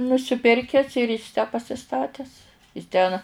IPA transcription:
nʊsʲɪˈpʲɪrʲkʲɛs ɪr ɪs tʲæː pɐsʲɪˈstɑːtʲɛs ɪs ˈtʲɛn

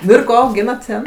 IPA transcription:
ˈnʊ ɪr ˈkoː ɐʊˈɡʲiːnɐt ˈtʲɛn

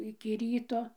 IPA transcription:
ɪkʲɪ ˈrʲiːtoː

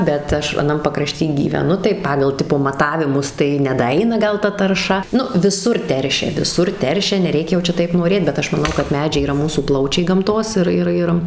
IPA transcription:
bʲɛt ˈɐʃ ɐˈnɐm pɐkrɐˈʃʲtʲiː ɡʲiːʋʲɛˈnʊ tɐɪ ˈpɑːɡɐlˠ ˈtʲɪpoː mɐˈtɑːʋʲɪmʊs tɐɪ nʲɛdɐˈɐɪnɐ ˈɡɐlˠ ˈtɐ tɐrˈʃɐ ˈnʊ ʋʲɪˈsʊr ˈtʲɛrʲʃʲɛ ʋʲɪˈsʊr ˈtʲɛrʲʃʲɛ nʲɛˈrʲɛɪkʲɛ jɛʊ ˈt͡ʃʲɛ ˈtɐɪp noːˈrʲeːt bʲɛt ˈɐʃ mɐˈnɐʊ kɐt ˈmʲæːd͡ʒʲɛɪ iːˈrɐ ˈmuːsuː ˈplˠɐʊt͡ʃʲɛɪ ɡɐmˈtoːs ɪr ˈɪr ˈjɪr

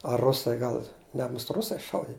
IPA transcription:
ɐ ˈrʊsɐɪ ˈɡɐlˠ ˈnʲɛ mʊst ˈrʊsɐɪ ˈʃɐʊdʲɪ

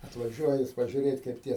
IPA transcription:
ɐtʋɐˈʒʲuɔjɛ jɪs pɐʒʲʊˈrʲeːtʲ kɐɪp ˈtʲiɛ

